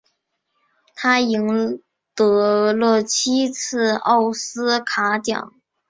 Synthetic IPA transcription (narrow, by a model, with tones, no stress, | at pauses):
t̪ʰa˥i˧˥ŋ | t̪ɤ˧˥lɤ˥˩t͡ɕʰi˥t͡sʰɹ̩˥˧ɑ˥˩ʊsɹ̩˥kʰa˧˥t̪jɑ̰˨˩˦ŋ